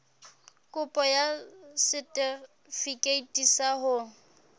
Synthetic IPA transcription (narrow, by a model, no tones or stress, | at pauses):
kʼʊpʼɔjasɪtʼɪ | fikʼeitʼisahʊ